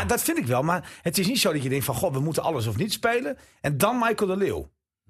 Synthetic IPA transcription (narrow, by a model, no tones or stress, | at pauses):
dɔtfɪndɪkʋɛlˠmarhətɪs̬nitsoːdɔtjədɛŋkfɔnxoʋəmutənɑləs̬ɔfnitspeːlən | ʔɛndɔnmajkədəlɪw